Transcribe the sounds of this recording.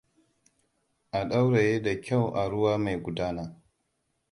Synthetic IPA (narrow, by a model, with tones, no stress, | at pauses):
ʔa˨ɗa˦wɽe˨jeː˦da˨kʲa˦˨wʔa˨ɽʊ˦waː˦ma˨jɡʷʊ˨daː˦naː˦